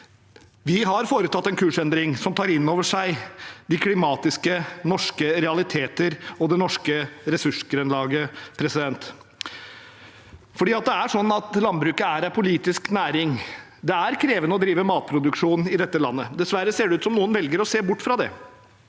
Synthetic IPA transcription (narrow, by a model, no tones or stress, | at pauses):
ʋɪɦɑɾfoːɾət̪ʰɑt̪ːɛnkʰʉːʂɛnd̪ɾɪŋsɔmt̪ʰɑːɾɪnːoːʋəʂæɪd̪ɪkʰlɪmɑːt̪ɪskənɔʂkəɾɛɑlɪt̪ʰeːt̪əɾɔd̪ɛnɔʂkəɾɛsʉʂɡɾʉnlɑːɡəpʰɾɛsɪd̪ɛnt̪ | fɔɖiːɑt̪̚d̪ɛæʂɔnːɑt̪lɑnbɾʉːkəæɾæpʰʊliːt̪ɪsknæːɾɪŋ | d̪ɛæɾkʰɾeːʋənəɔd̪ɾiːʋəmɑːt̪̚pʰɾʊd̪ʉkʂuːn̩ɪd̪ɛt̪ːəlɑ̰nːəd̪ɛsʋæɾːəseːɖɛʉːt̪sɔmnuːənʋɛlɡəɾɔseːbʊʈːfɾɑd̪ɛ̰